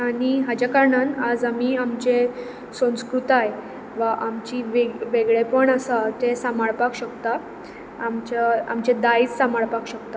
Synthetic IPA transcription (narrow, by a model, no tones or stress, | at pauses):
aɽ̃iɦad͡ʑakaɾɳanad͡zamiːamt͡ɕẽ | sə̃w̃skɾut̪aj | ʋaʔamt͡ɕiːʋeʋeɡɭepəɳasat̪esamaɭpakɕəkt̪a | amt͡ɕaamt͡ɕed̪ait͡ssamaɭpakɕəkt̪a